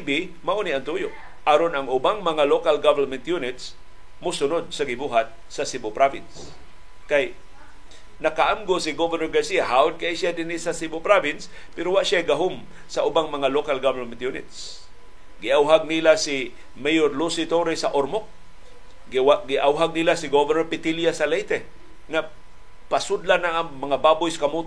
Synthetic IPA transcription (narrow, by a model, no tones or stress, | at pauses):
bɪ | maʔoniant̪ujoʔ | ʔaɾonɐŋʊbaŋmɐŋalokalɡavɛlmɛnt̪junɪt̪s | mʊsʊnod̪̚sɐɡɪbuɦat̪̚ | sasibʊpɾavɪns | kaj | nakaʔamɡosɪɡovɛnoɹɡasiaɦaʊd̪̚kaʔisjad̪ɪnisasibʊpɾavɪns | pɛɾowaʔʃajɡaɦom | saʔʊbaŋmɐŋalokalɡavlomɪt̪junɪ̰t̪s | ɡɪʔawɦaɡ̚nilasi | mejoɾlusɪt̪oɾɛsaʔoɾmok̚ | aɡɪʔawɦaɡ̚nilasɪɡovɛnoɹpɪt̪ɪljasalejt̪ɛ | ŋa | pasʊd̪lanaŋaŋmɐŋabaːbʊjsakamut̪